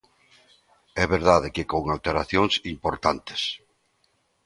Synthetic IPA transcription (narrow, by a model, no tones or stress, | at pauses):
ɛβeɾð̞aðekekoŋalt̪eɾaθjoŋsimpoɾt̪ant̪e̥s